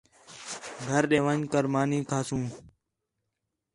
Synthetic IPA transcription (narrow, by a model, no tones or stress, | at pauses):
ɡʱəɾɗeːʋənkəɾmaːniːkʰaːsũː